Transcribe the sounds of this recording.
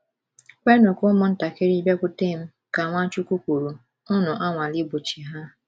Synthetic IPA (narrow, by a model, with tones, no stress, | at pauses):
kʷe˦nʊ˨kʊ˦mʊ˨n̩˦ta˨ke˦ɾi˦be˦kʷʊ˦te˦˨m̩˦ | ka˨ŋʷa˦t͡ʃu˦kʷu˦kʷu˨ɾu˨ | ʊ˦nʊ˨ʔa˦ŋʷa˨li˦bu˨t͡ʃi˨ɦa˦